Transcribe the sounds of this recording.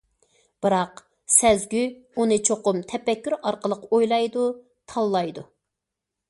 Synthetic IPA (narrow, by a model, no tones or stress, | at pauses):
b̥ɨɾɑq | sɛzɡʲyunɨt͡ʃʰoqʊmt̪ʰɛpɛkʲːyɾɑɾqəlˠəqojlˠɑjd̪u | t̪ʰɑlˠːɑjd̪u